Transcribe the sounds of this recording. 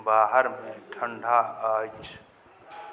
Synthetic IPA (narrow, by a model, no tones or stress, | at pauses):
baːɦəɾmẽʈʰə̃ɳɖʱaaːt͡ʃʰ